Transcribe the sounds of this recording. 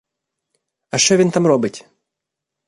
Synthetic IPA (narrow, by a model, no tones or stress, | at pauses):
ɐʃt͡ʃɔvʲint̪amɾɔbɨtʲ